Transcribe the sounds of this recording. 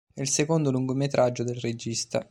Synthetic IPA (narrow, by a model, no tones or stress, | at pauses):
ɛlsekond̪oluŋɡomet̪ɾʔad͡ʒːod̪elred͡ʒist̪a̰